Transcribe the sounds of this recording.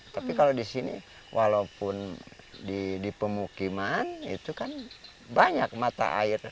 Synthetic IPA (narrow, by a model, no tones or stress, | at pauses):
t̪apikalodisinḭ | wʔalaupʊn | didipəmukimanḭt̪ukan | baɲak̚mat̪a̰ʔa̰ir